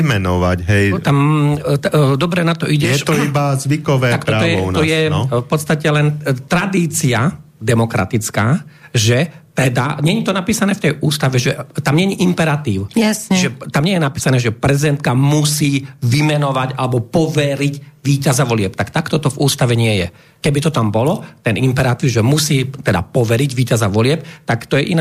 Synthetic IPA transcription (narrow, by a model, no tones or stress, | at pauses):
mɛnɔʋa̰ɟɦɛjt̪am | d̪ɔbɾɛnat̪ɔʔiɟɛjɛt̪ɔibazʋikɔʋɛaktɔɔjɛnɔjɛfpɔt̪st̪acɛlɛnt̪ɾad̪iːt͡sia | d̪ɛmɔkɾa̰t̪it͡skaː | ʒɛt̪ɛd̪a̰ɲɛɲit̪ɔnapiːsanɛːft̪ɛjuːst̪aʋɛʒɛt̪amɲɛɲiʔimpɛɾat̪iːʊasiʒɛt̪amɲɪɛjɛnapiːsanɛːʒɛpɾɛzid̪ɛnt̪̚kamusiːʋimɛnɔʋaɟalɛbɔpɔʋɛɾicʋiːcazaʋɔlɪɛpt̪akt̪akt̪ɔt̪ɔvuːst̪aʋɛɲɪɛjɛ | kɛbit̪ɔt̪ambɔlɔt̪ɛnimpɛɾat̪iːʊʒɛmusiːt̪ɛd̪a̰pɔʋɛɾiɟʋiːcazaʋɔlɪɛpt̪akt̪ɔjɛʔina